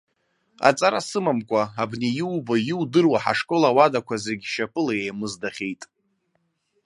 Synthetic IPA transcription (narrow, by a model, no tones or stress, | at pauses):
a̰t͡sʼaɾasɨmamkʷʼaabnejɪwbajɪwdɨrwaħa̰ʂkʼolawadakʷʰazeɡʲʃapʰʼɨlaejmɨzdaχʲe̞jtʼ